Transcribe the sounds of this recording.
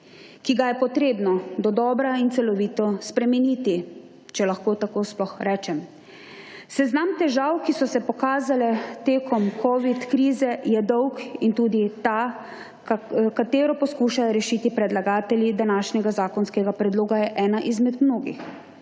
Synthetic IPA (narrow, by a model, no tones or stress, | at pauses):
kiɡajɛpɔt̪ɾeːbnɔd̪ɔd̪ɔːbɾaint̪ɛlɔʋiːt̪ɔspɾɛmɛniːt̪i | t͡ʃɛlaxkoːt̪akoːsplɔxɾɛːt͡ʃɛm | sɛznamt̪ɛʒawkisɔsɛpɔkaːzalɛt̪eːkɔmkʰɔʋit̪kɾiːzɛjɛd̪ɔwkint̪uːd̪it̪a | kat̪eːɾɔpɔskuːʃajɔɾɛʃiːt̪ipɾɛd̪laɡaːt̪ɛljid̪anaːʃnɛɡazaːkɔnskɛɡapɾɛd̪loːɡajɛʔɛːnaʔizmɛd̪mnoːɡḭx